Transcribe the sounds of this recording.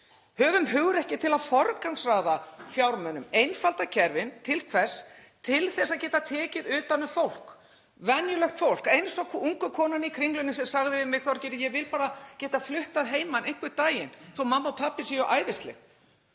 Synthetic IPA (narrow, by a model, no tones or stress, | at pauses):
hœːvʏmɦʏɣɾɛhcɪt̪ʰɪlaðfɔrkawnsraːðafjawɾmœːnʏmejnfalt̪acʰɛɾvɪnt̪ʰɪlkʰvɛs | t̪ʰɪlθɛsaðcɛːt̪at̪ʰɛːcɪðʏːt̪anʏfowl̥k | vɛnjʏlœxt̪fowl̥kejnsɔkʰuŋkʏkʰɔːnanikʰɾiŋklʏnɪsɛmsaɣðɪvɪðmɪɣθɔɾcɪɾɪjɛvɪlpaːɾacɛːt̪aflʏht̪aðɦeːjmanejŋ̥kvɪɾt̪aːjɪnθowmamːaɔpʰapːɪsɛɔʔaːjðɪst̪lɪ̰